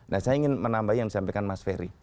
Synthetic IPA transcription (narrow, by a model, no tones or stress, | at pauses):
nahsajaiŋɪnmənambaɦijaŋdisampɛkanmasfeɾḭ